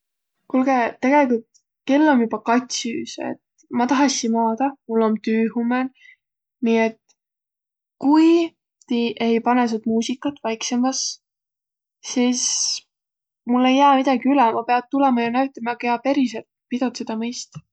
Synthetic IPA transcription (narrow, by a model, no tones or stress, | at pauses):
kulɡ̥et̪e̞ɡ̥e̞likult̪ | ke̞lːo̞njub̥ɑkɑt̪ʲsyːse̞̰t̪ | mɑt̪ɑɦɑsinmɑːd̪̥ɑmulːo̞nt̪yːɦumen | nie̞t̪ | kuj | t̪iʔejpɑnes̬ud̪muːsikːˑɑt̪ːˑvɑjkse̞mɑs | siːs | mulːe̞jːæːmid̪̥ɑɡ̥iylɛmɑpe̞ɑd̪̚t̪ulemɑjɑnæɥt̪ːˑɑmɑɑkeɑpe̞ɾiselt̪̚pid̪̥ot̪sed̪̥ɑmɤjst̪ɑ